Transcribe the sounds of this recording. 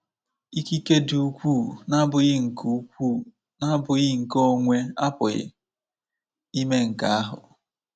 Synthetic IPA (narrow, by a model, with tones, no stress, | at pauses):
i˦ki˦ke˦du˨u˨˦kʷuː˦˨na˦bʊ˨jɪ˦ŋ̩˨ku˦kʷu˦˨ | na˦bʊ˨jɪ˦ŋ̩˨ko˦ŋʷe˦a˦pʊ˨ɣɪ̰˦˨ | i˦me˦ŋ̩˨ka˦a˦ɦʊ̰˨